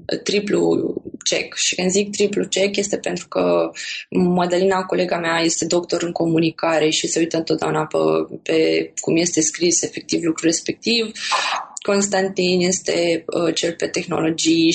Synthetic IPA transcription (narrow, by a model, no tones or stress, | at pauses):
t̪ɾiplṵt͡ʃe̞̰kʃikɨnd̪zik̚t̪ɾiplut͡ʃe̞kje̞st̪e̞pe̞nt̪ɾukə | mod̪əlinako̞le̞ɡameaje̞st̪e̞d̪o̞kt̪o̞ɾɨŋko̞munikaɾe̞ʃise̞ujt̪əɨnt̪ot̪̚d̪ḛunapə̰pe̞kumje̞st̪e̞skɾise̞fe̞k̚t̪ivlukɾuɾe̞spe̞k̚t̪iv | ko̞nst̪ant̪inje̞st̪e̞ət͡ʃe̞lpe̞t̪e̞xno̞̰lo̞d͡ʒij